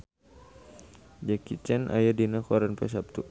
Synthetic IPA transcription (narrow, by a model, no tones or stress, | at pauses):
d͡ʒakit͡ʃɛnʔa̰jadinakɔɾanpɛ̰s̬ap̚t̪u